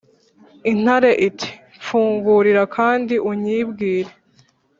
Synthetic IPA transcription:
in̥haɾe̞ʔitʰi̥ | fuːŋɡuɾiɾakʰaːndiʔuɲiːbɡiːɾe̞

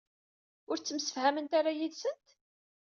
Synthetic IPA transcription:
ʊɾt͡sːəmsə̥fhæmənt̪aɾajiðsənt̪

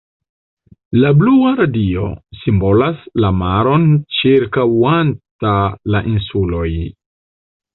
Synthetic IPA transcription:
labluaɾadio̞̰simbo̞laslamaɾo̞nt͡ʃiɾkawantalaʔinsulo̞j

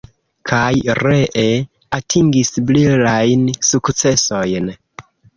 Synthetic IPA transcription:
kʰajɾe̞ʔe | atʰiŋɡisblilajnsukt͡se̞so̞jn

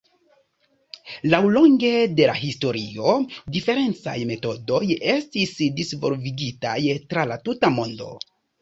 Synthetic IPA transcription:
lawlo̞ŋɡe̞de̞laɦisto̞ɾio̞dife̞ɾe̞nt͡sa̰jme̞to̞do̞je̞stisdisvo̞̰lviɡitajtɾalatutamo̞ndo̞̰

